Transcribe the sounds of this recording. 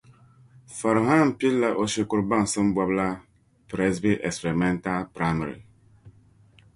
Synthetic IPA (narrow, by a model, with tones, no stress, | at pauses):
fɔ˨ɾɦa˦˨m˨pi˦lːa˦ʔo˨ʃi˦ku˦ɾba˦ŋsɨ˦m˦bwɔ˦bla˦ | pɾɛ˦sbi˦ʔɛ˨kspɛ˨ɾmɛ˦nta˦lpɾa˦ma˨ɾḭ˨